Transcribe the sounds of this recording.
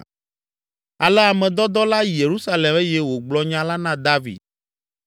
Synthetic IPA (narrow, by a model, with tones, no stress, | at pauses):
a˨lɛ˦a˨mɛ̃˨d̪ɔ˦d̪ɔ˦la˦ji˨je˨ɾu˦sa˦le˨me˦je˦wo˨ɡ͡blɔ˦ɲã˦la˦nã˦d̪a˦vḭ˨d̪̚